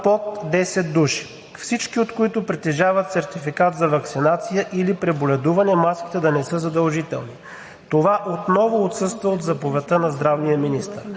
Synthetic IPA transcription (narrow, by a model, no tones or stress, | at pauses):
pot̪d̪ɛsɛt̪̚d̪uʃi̥ | fsit͡ʃkiot̪koit̪ʊpɾit̪ɛʒavɐt̪sɛɾt̪ifikat̪zɐvɐksinat̪sijəʔilipɾɛbolʲɛd̪uvɐnɛmaski̥t̪ɛd̪ɐnɛsɤzɐd̪ɐlˠʒit̪ɛ̰lˠni | t̪ovaʔot̪nɔvoot̪sɤst̪vəot̪zɐpovʲɛt̪ənɐzd̪ɾavnijəminist̪ə̰ɾ